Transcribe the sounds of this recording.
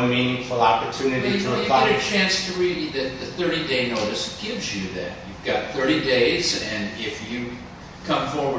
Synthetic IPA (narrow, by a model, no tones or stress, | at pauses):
mĩnɪ̃ŋfəlˠɑpə˞tʰʉnɨɾitʰəjɨɾɨt͡ʃʰæ̃nstʰɨɹidɨðɨt̪̚ðɨθɜ˞ɾideɪnoʊɾɨsɡ̥ɪvzjɨðæ̰t̚jʉvɡɑt̪̚θɜ˞ɾideɪzɨ̃nɪfjɨ | kʰʌ̃ɱfɔɹwə